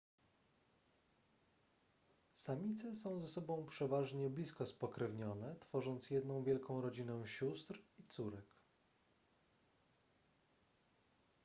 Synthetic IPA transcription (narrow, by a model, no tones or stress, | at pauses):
samʲit̪sɛsɔ̃w̃zɛsɔbɔ̃w̃pʂɛvaʐɲɛblʲiskɔspɔkɾɛvɲɔnɛt̪fɔʐɔnt̪sjɛd̪nɔ̃w̃vʲjɛlkɔ̃w̃ɾɔd͡ʑinɛwɕust̪ɾit̪suɾɛk